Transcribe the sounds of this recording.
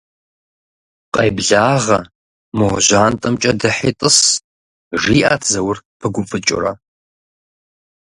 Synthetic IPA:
qʼɐjbɮaːʁɐ | mɨʁɐʒaːntʼɐmt͡ʃʼɐdɐħitʼɨs | ʐiːʔaːtʰzɐwʊrpʰɨɡʷʊfʼɨt͡ʃʼɪ̰ɾɐ̰

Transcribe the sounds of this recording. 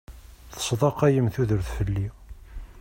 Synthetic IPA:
θə̥sˤðˤɑqæjəmθuðəɾθfəlːi

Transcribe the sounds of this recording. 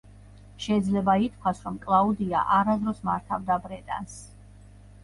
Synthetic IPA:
ʃɛid̪zlɛbait̪ʰkʰwasɾɔmkʼlˠaud̪ia̰ʔaɾazɾɔsmaɾt̪ʰavd̪abɾɛt̪ʼa̰ns

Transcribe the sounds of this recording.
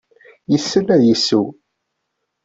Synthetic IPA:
jəsːənːæðjəsːu

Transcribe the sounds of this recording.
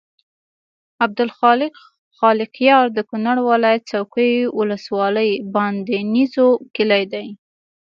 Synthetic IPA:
ab̚d̪ʊlxɑlɪq | xɑlɪqjɑɾd̪əkʊnaɽwɪlɑjat̪̚sawkəjwʊləswɑləjbɑnd̪enizokɪlajd̪aj

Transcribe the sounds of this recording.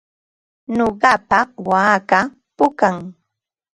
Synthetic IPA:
noɢɑpawaːka | pʊkaŋ

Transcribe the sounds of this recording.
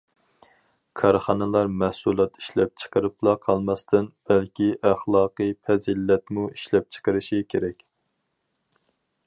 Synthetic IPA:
kʰɑɾχɑnɨlˠɑɾmæhsulˠɑt̪ʰi̥ʃlɛp̚t͡ʃʰə̥qəɾɨplˠɑqʰɑlˠmɑst̪ɨnb̥ælkʲʰiʔæχlˠɑːqɨfʰɛzilːɛt̪muiʃlɛp̚t͡ʃʰə̥qəɾɨʃikʲʰeɾɛkʲ

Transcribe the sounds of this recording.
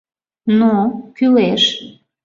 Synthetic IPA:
nokyleʃ

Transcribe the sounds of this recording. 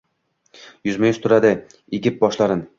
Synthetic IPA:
jʊzmɪjʊʃt̪ʰʊɾad̪ɪ | eɡʲɪp̚bɒʃlaɾɪn

